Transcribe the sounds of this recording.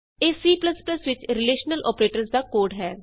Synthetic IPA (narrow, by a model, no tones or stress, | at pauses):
eːsiːpləspləsʋɪt͡ʃɾɪleːʃnəlʔɔ̰ːpɾeːʈəɾsd̪aːkoːɖɦɛː